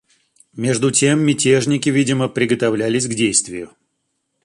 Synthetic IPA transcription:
mʲe̞ʐd̪ʊtʲemːʲɪtʲeʐnʲɪkʲɪvʲidʲɪməpɾʲɪɡət̪ɐvlʲælʲɪsʲɡdʲejst̪vʲɪjʊ

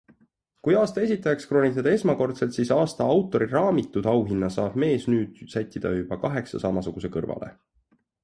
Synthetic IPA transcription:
kujɑːst̪ɑe̞sit̪ːˑɑjɑkskro̞ːnʲit̪ːˑɑd̪ɑe̞smɑko̞rt̪se̞lt̪sisɑːst̪ɑɑwt̪ːˑo̞ɾirɑːmit̪ːˑud̪̥ɑwɦinːɑsɑːb̥me̞ːsnyːd̪̥sæt̪ʲːˑid̪̥ɑ̰jub̥ɑkɑɦe̞ksɑ̰sɑmɑsuɡ̥use̞kɤrvɑ̰lʔe̞̰

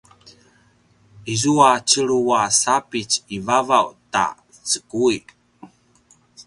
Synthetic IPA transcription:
izuat͡ʃəɭuasapit͡sivavawta̰ | t͡sə̥kui

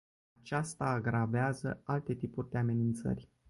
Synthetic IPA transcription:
at͡ʃast̪aːɡɾaveazə̰alt̪e̞t̪ipurʲd̪e̞ame̞nint̪sə̰rʲ

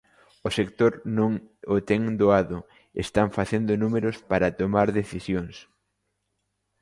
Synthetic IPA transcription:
ʊsek̚t̪oɾnõŋot̪ɛŋd̪oaðʊ | ḛst̪aɱfaθend̪ʊnumeɾʊspaɾat̪omaɾðeθisjoŋs

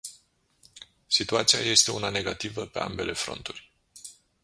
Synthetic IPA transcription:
sit̪uat̪sija̰je̞st̪e̞unane̞ɡat̪ivəpe̞ʔa̰mbe̞le̞fɾo̞̰nt̪urʲ

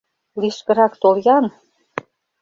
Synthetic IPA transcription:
liʃkɤ̆ɾɑkt̪oljɑn

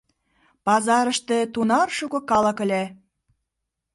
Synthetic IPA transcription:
pɑzɑɾə̆ʃt̪ĕt̪unɑrʃukŏkɑlɑ̆kə̆lʲæ

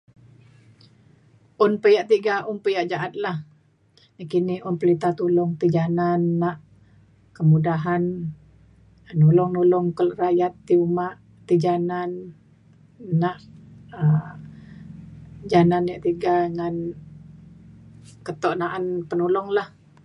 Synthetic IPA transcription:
ʔʊnpəjaʔt̪iɡaʔʊnpəjaʔd͡ʒaʔat̪̚lah | jakiniʊnpəlit̪at̪ulʊŋt̪id͡ʒananːaʔ | kəmudaɦan | nulʊŋnulʊŋkəlrajat̪ːiumaʔ | t̪id͡ʒanan | aʔə | d͡ʒananjaʔt̪iɡaŋan | kət̪ɔʔnaʔanpənulʊŋlah

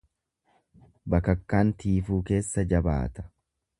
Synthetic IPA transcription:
bɐkɐkːaːnt̪iːfuːke̞ːsːɐd͡ʒɐba̰ːt̪ɐ̥

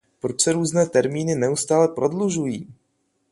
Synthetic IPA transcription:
pɾot͡ʃsɛɾuːznɛːt̪ɛɾmiːnɪnɛust̪aːlɛpɾo̞dluʒujiː

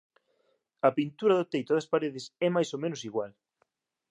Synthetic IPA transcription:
ɐpint̪uɾɐðʊt̪ejt̪ʊðɐspaɾeðɪsɛmajsomẽnʊsiɣwal

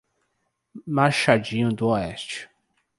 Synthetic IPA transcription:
maɾʃad͡ʒĩɲʊd̪ʊɔɛst͡ʃɪ̥

